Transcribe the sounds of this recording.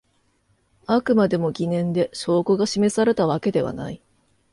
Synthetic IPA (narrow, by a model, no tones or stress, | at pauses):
akɯ̟mad̪e̞mo̞ɡʲinẽ̞nd̪e̞ɕo̞ːkoɡaɕime̞saɾe̞t̪aβake̞d̪e̞βa̰na̰i